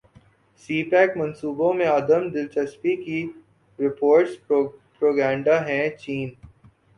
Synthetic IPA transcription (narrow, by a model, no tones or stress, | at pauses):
siːpɛːkmɐ̃nsuːbõmẽɐd̪əmd̪ɪlt͡ʃɐspiki | ɾɪpoːɾʈspɾoːɡãːɳɖaɦɛ̃t͡ʃiːn